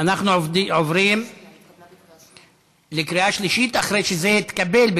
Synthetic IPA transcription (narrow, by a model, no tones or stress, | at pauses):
anaχnuʕovɾim | lekɾiaʃliʃit̪aχɾejʃezehit̪kabelb